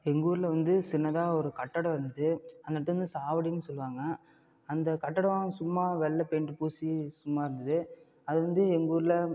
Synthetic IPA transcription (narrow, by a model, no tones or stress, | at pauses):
ɛŋɡuːɾɪlɐʋɐnd̪ɯsɪnːɐðaːɔɾɯkɐʈːɐɽɐ̃ɪɾɯnd̪ɐðɯɐnd̪ɐnɐʈt̪ːɐʋɐnd̪ɯsaːʋɐɽɪnːɯsɔlːɯʋaːŋɡɐː | nd̪ɐkɐʈːɐɽɐʋaːsʊmːaːʋɛɭːɐpeɳɖɯpuːsisʊmːaːɪɾɯnd̪ɐðɯ | ɐðɯʋɐnd̪ɯɛŋɡuːɾlɐ